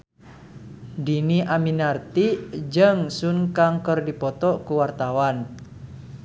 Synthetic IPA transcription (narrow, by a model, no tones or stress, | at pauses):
diniʔaminart̪id͡ʒəŋsunkaŋkərdipɔt̪ɔʔkuwart̪awan